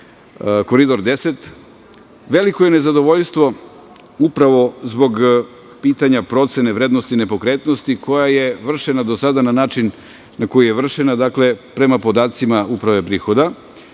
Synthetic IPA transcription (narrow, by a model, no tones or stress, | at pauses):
ko̞ɾid̪o̞ɾd̪e̞set̪ | ʋe̞likoje̞ne̞zad̪o̞ʋoʎʲst̪ʋo̞ | upɾaʋo̞zbo̞ɡ | piːt̪aɲapɾo̞t̪se̞ne̞ʋɾeːd̪nost̪ine̞po̞kɾeːt̪no̞st̪ikʰo̞jaje̞ʋr̩ʃenad̪osad̪ananaːt͡ʃin | nako̞jijeʋr̩ʃenad̪akle̞pɾe̞mapo̞d̪aːt̪simaupɾaʋe̞pɾiːxo̞d̪a